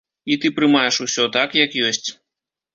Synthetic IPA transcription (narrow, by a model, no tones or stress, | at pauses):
it̪ɨpɾɨmajɛʂusʲɔt̪akjɐkjɔsʲt͡sʲ